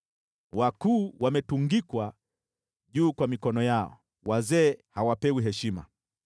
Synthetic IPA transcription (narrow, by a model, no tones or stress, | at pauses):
wakuːwamɛtuŋɡikwa | ʄuːkwamikɔnɔjaɔ̰ | wazɛːhawapɛwiɦɛʃima̰